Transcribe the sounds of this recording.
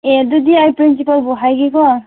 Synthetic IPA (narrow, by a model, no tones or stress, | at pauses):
ɛdudiajpɾinsipalbɔɦajɡikɔ